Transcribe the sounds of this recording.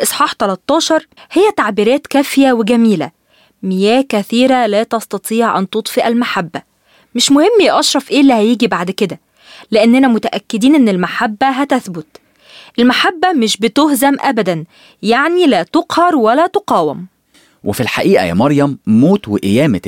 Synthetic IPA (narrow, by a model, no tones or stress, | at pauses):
ʔɨsˤħɑːħt̪ælæt̪ˤːɑːʃɑɾˤhejːæt̪aʕbiːɾæːt̪kæːfɪjæweɡæmiːlæ̰ | mɪjæːkæθiːɾælæːt̪ɑst̪ɑt̪ˤiːʕʔænt̪ot̪ˤfeʔælmaħabːæ | mɪʃmʊhɪmːjʔɑʃɾˤɑfʔeːlːihæjiːɡibaʕd̪ked̪æ | leʔenːænæmʊt̪æʔækːɪd̪iːnʔenːelmaħabːæɦæt̪æθbʊt̪ | ʔelmaħabːæmɪʃbɪt̪ohzæmʔæbæd̪æn | jaʕnilæːt̪oqhɑɾˤwælæt̪oqɑːwæm | wɪfilħa̰ʔiːʔæ̰jæ̰mɑɾˤjæmːoːt̪weʔɪjæːmæ